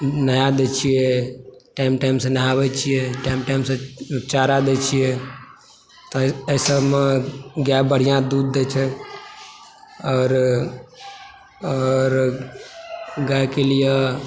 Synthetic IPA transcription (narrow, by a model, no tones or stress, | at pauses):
najad̪ɛt͡ʃʰijeʈaɪmʈaimsə̃najabɛt͡ʃʰijeʈaɪmʈajmsə̃t͡ʃaɾad̪ɛt͡ʃʰije | t̪ɔəsəmeɡjabəɽ̤ijãd̪ud̪ːɛt͡ʃʰɛ | ɔːɾ | ɔːɾ | ɡajkelije